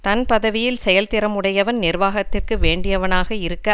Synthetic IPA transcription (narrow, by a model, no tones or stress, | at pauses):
t̪ɐnpɐðɐʋɪjɪlsɛjɐlt̪ɪɾɐmɯɽɐjɐʋɐnnɪrʋaːɣɐt̪ːɪrkɯʋeːɳɖɪjɐʋɐnaːɣɐɪɾɯkːɐ